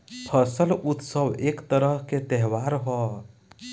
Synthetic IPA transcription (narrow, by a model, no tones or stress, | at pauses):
pʰəsəlut̪səwekt̪əɾəɦket̪ɛɦwaɾɦɔ